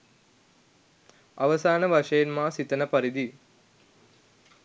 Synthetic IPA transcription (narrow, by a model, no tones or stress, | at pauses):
ɐʋɐsaːnəʋɐʂɐjenmaːsit̪ɐnəpɐɾid̪i